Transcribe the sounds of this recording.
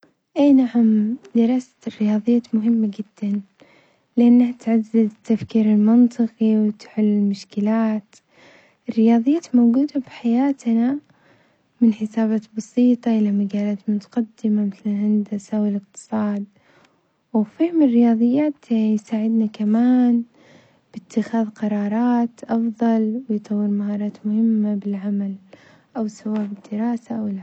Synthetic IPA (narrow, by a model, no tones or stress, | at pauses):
ʔeːnahamd̪ɪɾˤɑːsḁrɪjɑːðˤɨjːaːt̪mʊɦɪmːad͡ʒɪd̪̥ːan | lʔanːaht̪ʕazːɪzt̪ːafkiːɾɪlmɪnt̪ˤɨqiwt̪ħʊlːɪlmʊʃkɪlaːt̪ | ɪrːɪjɑːðˤɨjːaːt̪mowɡuːd̪abħajaːt̪na | mɪnħɪsaːbaːt̪bɑsˤiːt̪ˤɑʔɪlamaɡaːlaːt̪mʊt̪ḁqad̪ːɪmamɪθlhɪnd̪ɪsʔawɪlɪq̚t̪ɨ̥sˤɑːd̪̚ | wfiːmrɪjɑːðˤɨjːaːt̪jsaːʕɪd̪nakamaːn | b̥ɪt̪ʰːɪxaːðqɑɾˤɑːɾˤɑːt̪ʔɑfðˤɑlwɪjt̪ˤɑwːɪɾmahɑːɾˤɑːt̪mʊhɪmːabɪlʕamal | ʔawsawaːbɪd̪ːɪɾɑːsaʔawɪl